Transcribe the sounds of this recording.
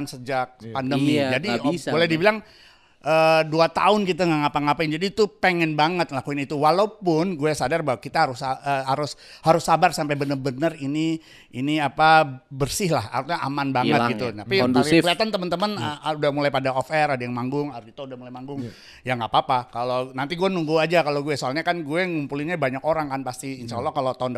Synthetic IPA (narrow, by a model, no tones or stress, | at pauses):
ansəd͡ʒak̚pandəmid͡ʒadibolɛhdibilaŋ | ʔəduat̪a̰ʊnkit̪aŋaŋapaŋapaɪŋd͡ʒadiːt̪upəŋɛnbaŋət̪̚lakuinit̪uwalapʊnɡuasadarbawakit̪aɦaɾʊsaəɦaɾʊshaɾʊsːabarsampajbənərbənərini | iniapabərsɪhlaha̰ɾuɲaʔa̰manbaŋət̪̚ɡit̪ut̪apiɾkəliat̪ant̪əmənt̪əmənudahmulajpadaɔfɛradajaŋmaŋɡʊŋaɾdit̪audahmulajmaŋɡʊŋ | jaŋapaːpakalonant̪iɡuɛnuŋɡuad͡ʒakaloɡuɛsoalɲakanɡuɛŋumpuliɲabaɲakoɾaŋkanpast̪iːnsalɔhkalot̪aʊnd